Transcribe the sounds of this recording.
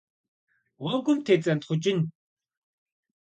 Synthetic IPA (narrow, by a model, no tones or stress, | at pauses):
wɔɡumt̪ʰet͡sant̪χut͡ɕɪ̆n